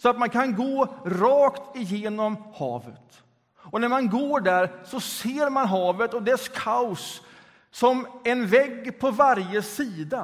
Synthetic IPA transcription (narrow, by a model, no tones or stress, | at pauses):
sɔat̪mankʰanɡoːɾɑːkt̪ɪjeːnɔmhɑ̰ːvət̪ | ɔnæɾmanɡoːɖæɾsɔseːɾmanɦɑːvət̪ɔd̪ɛskʰaʊsː | ɔmɛnvɛɡːpʰɔvaɾjəsiːd̪a